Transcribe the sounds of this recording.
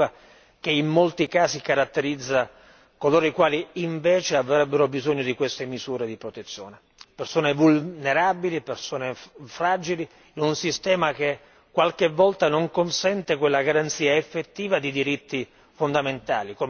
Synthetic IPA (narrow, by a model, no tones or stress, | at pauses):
a | k̟eimːolt̪ikaːsikaɾat̪ːeɾid̪zːa | koloːɾoikwaːliːɱvɛːt͡ʃeavɾɛbːeɾobizoɲːod̪ikwest̪emizuːɾed̪ipɾot̪et̪sːjo̰ːne | persoːnevulneɾabilipersoːnefɾaːd͡ʒili | inunsist̪ɛːmak̟e | kːwalkevːɔlt̪anoŋkonsɛnt̪ekwelːaɡaɾant̪siːaefːet̪ːiːvad̪id̪iɾit̪ːi | fond̪ament̪aːliko